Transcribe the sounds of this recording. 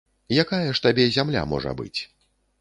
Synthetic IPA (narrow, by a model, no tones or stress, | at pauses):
jakajɐʂt̪abʲɛzʲamlʲa̰mɔ̰ʐɐ̰bɨ̰t͡sʲ